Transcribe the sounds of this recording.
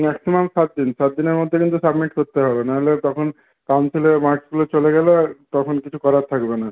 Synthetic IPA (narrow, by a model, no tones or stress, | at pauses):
mɛksimamsat̪̚d̪insat̪̚d̪ineɾmod̪ʱːekint̪usabmiʈkoɾt̪eɦɔbenaɦelet̪ɔkʰon | kawnsʰilemaɾsɡulot͡ɕoleɡɛlet̪ɔkʰonkit͡ɕʰukɔɾat̪ʰakbena